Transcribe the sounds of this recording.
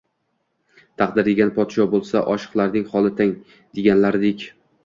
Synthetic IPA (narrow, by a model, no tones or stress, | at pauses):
t̪ʰɑqd̪ɪɾeɡʲanpʰɒt̪ʃɒbolˠsaʔɒʃɨ̥qlˠaɾnɪŋχɒlˠɪt̪ʰaŋ | d̪̥e̞ɡʲanlaɾɪd̪ekʲ